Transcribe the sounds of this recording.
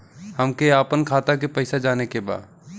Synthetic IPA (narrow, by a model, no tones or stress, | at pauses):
həmkeaːpənkʰaːt̪ak̬epəɪsad͡ʒaːnekeba̰ːd̪